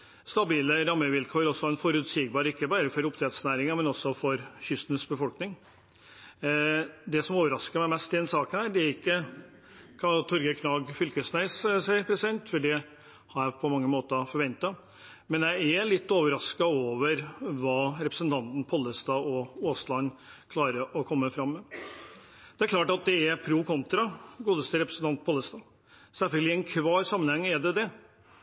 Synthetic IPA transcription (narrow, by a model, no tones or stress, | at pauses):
st̪ɑbiːləɾɑmːəʋɪlkʰɔːɾɔsːɔæɾɛnfɔɾʉːt̪siːɡbɑːɾəɪkːəbɑːɾəfɔɾʊpt̪ɾɛd̪snæːɾɪŋɑmɛnɔsːɔfɔɾçʏst̪n̩sbəfɔlknɪŋ | d̪ɛsɔmoːʋəɾɑskəɾmæɪmɛst̪ːɪd̪ɛnsɑːkənhæːɖ̪ɛæɾɪkːə | kʰɑt̪ʰɔɾɡəkʰnɑːɡfʏlkəsnæɪssæɪpʰɾɛsɪd̪ɛnt̪fɔɖɛ | hɑɾjæpʰɔmɑŋːəmoːt̪ɑfɔɾʋɛnt̪ɑ | mɛnjæɪælɪt̪ːoːʋəɾɑskɑoːʋəɾʋɑːɾɛpɾə̥sənt̪ʰɑnt̪n̩pʰɔlːəst̪ɑɔoːslɑnːkʰlɑːɾəɾʔɔkʰɔmːəfɾɑmːə | d̪̥ɛæɾkʰlɑːʈɑt̪̚d̪ɛæpʰɾuːkʰɔnt̪ɾɑɡuːd̪əst̪əɾɛpɾəsnt̪ɑnt̪̚pʰɔlːəst̪ɑː | sæfœlɡəlɪɛnkʰʋɑːɾsɑmːənhɛŋːæd̪ɛd̪ɛ